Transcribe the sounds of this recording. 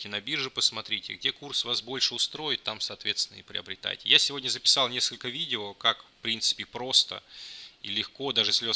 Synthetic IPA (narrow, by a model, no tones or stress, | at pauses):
kʲɪnɐbʲirʐɨpəsmɐt̪ɾʲitʲɪ̰ɡ̚dʲe̞kursvasbo̞lʲʂɨʊst̪ɾo̞jɪt̪̚ːamsɐːt̪vʲe̞t̪st̪ʲɪnəɪpɾʲɪ̰əbɾʲɪt̪a̰jtʲɪ̰jasʲɪvo̞dʲnʲəzəpʲɪ̥salˠnʲe̞skəlʲkəvʲidʲɪokakfpɾʲint̪sɨ̥pʲɪpɾo̞st̪ə̰ḭlʲɪxko̞d̪aʐɨsʲlʲo